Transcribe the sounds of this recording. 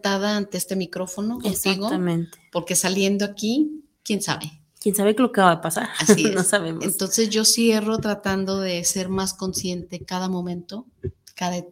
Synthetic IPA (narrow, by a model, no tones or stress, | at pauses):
t̪aðaːnt̪eest̪e̞mikɾo̞fo̞no̞konsikɣoamẽnt̪epo̞ɾke̞salje̞nd̪o̞aki | kje̞nsa̰βe̞ | kjensaβekelokeβaβaðepasaɾasinosaβemoent̪o̞nsezʝo̞sje̞ro̞t̪ɾat̪and̪o̞ðe̞se̞ɾmasko̞nsje̞nt̪e̞kaðamõ̞mẽ̞nt̪o̞ | kaðae